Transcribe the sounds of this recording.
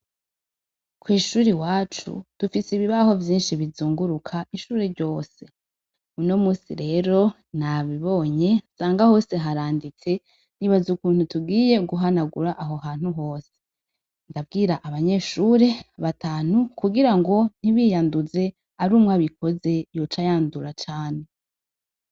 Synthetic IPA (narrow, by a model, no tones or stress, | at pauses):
kwiːʃuːɾiwaːt͡ʃṵd̥ufisiβiβaho̞vjiːnʃiβizuːŋɡuɾukʰaiʃuːɾeɾɟo̞ːse̞ | uno̞muːsḭɾe̞ːɾo̞ | n̥aβiβo̞ɲe̞saːŋɡaho̞ːse̞ɦaɾaːndit͡se̞ | niβazukuːn̥hutuɡiːje̞ɡuɦanaɡuɾaʔaɦo̞ɦaːn̥huɦo̞ːse̥ | ndavɡiːɾaʔaβaɲe̞ʃuːɾe̞βataːn̥ukuɡiɾaŋɡo̞n̥iβiːjanduze̞ | aɾuːmŋaβiko̞ze̞jot͡ʃajaːnduɾat͡ʃaːne̞